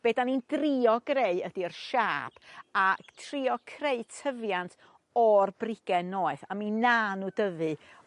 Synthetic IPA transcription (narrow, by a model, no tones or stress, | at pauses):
b̥eːdanind̥riɔɡreɨədirʃaːb̥atʰriɔkʰreɨtʰəvjantʰ | ɔrbrɪɡ̥ɛnoːɨθaminaːnudəvɨ